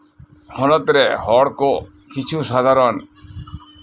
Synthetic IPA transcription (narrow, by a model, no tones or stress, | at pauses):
hɔnɔt̪ɾɛhɔɽkɔ | kit͡ʃʰusad̪ʱaɾɔn